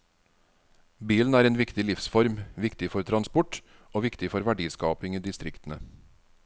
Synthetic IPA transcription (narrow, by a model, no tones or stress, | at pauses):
biːln̩æːɾeːnʋɪkt̪ɪlɪfsfɔɾmʋɪkt̪ɪfɔɾt̪ʰɾɑnspɔʈ | ʔoːʋɪkt̪ɪfɔɾʋæɖiːskɑːpɪŋiːd̪ɪst̪ɾɪkt̪n̩ə